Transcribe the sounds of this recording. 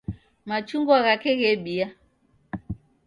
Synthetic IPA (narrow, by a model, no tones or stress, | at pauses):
mat͡ʃuŋɡwaɣakɛɣɛɓia